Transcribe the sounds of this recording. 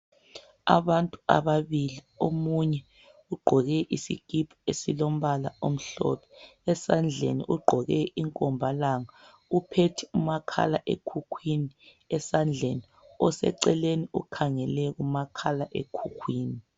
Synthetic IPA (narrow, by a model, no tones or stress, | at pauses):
a̰βantʼua̰βaβili | omuɲɛ | uɡ͡ǃʱɔɣɛʔisḭɡ̥ʱipʰaesilom̩βalaom̩ɬɔ̰pʰɔ̥ɛsand͡ɮʱḛnḭʔuɡ͡ǃʱɔɣɛiŋkʼɔmbʱalaŋa | upʰetʰiumakʰa̰la̰ʔḛkʰukʰwini | ɛsand͡ɮʱeni | ɔsɛ̰ǀɛleniukʰaŋɛlɛɣumakʰalaʔḛkʰukʰwiːni